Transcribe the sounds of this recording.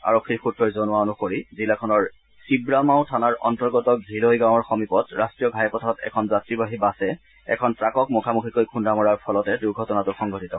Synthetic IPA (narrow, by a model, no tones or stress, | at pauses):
a̰ɹokʰːiɹxutɹɔjzonʊwaonukoɹizilakʰɔnɔɹ | sibɹamaʊ̃tʰanaɹʔɔntɔɹɡɔtɔɡʱilojɡãw̃ɔɹxɔmipɔtɹastɹijɔɡʱajɛpɔtʰɔtɛ̰kʰɔnzatɹibaɦibasɛ | ɛ̰kʰɔnpɹakɔk̚mɔkʰamukʰikojkʰundamɔɹaɹpʰɔlɔtɛduɹɡʱɔtɔnatʊxɔŋɡʱɔtitɔ